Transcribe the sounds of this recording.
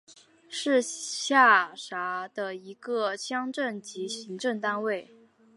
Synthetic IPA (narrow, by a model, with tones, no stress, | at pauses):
ʂɻ̩˥˧ɕja˥˩ʂa˧˥d̪ə˧i˧˥ɡə˧ɕʰjɑ˥ŋʈ͡ʂə˥˩nt͡ɕi˧˥ɕi˧˥ŋʈ͡ʂɤ˥˧ŋt̪a˥nwe˥˩ɪ